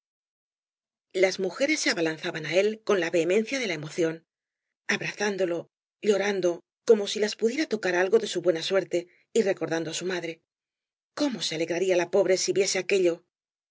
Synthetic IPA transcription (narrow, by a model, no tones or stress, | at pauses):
lazmuxe̞ɾe̞sːeaβalanθaβanae̞lko̞nlaβe̞ːmẽ̞n̟θjaðe̞lae̞mo̞θjo̞n | aβɾaθand̪o̞lo̞ | ʎo̞ɾand̪o̞ | ko̞mo̞silaspuðje̞ɾat̪o̞kaɾalɣo̞ðe̞suβwe̞naswe̞ɾt̪e̞ | ire̞ko̞ɾðand̪o̞asumaðɾe̞ | ko̞mo̞se̞ale̞ɣɾaɾialapo̞βɾe̞siβje̞se̞ake̞ʎo̞